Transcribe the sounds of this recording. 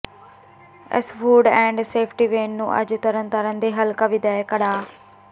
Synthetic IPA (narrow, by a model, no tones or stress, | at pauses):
ɛ̰spʰuːɖɛ̃ːɳɖseːpʰʈiːʋeːnːũːʔə̰d͡ʒt̪əɾənt̪əɾənd̪eːɦəlkaːʋɪd̪aːekəɽaː